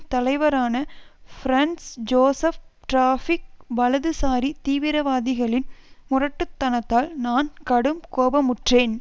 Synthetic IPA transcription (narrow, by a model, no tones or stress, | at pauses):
t̪ɐlɐɪʋɐɾaːnɐfɾɐnsd͡ʒoːsɐfʈɾaːfɪk̚ʋɐlɐðɯsaːɾit̪iːʋɪɾɐʋaːðɪɣɐɭɪnmʊrɐʈːɯt̪ːɐnɐt̪ːaːlnaːnkɐɽɯmkoːbɐmʊʈreːn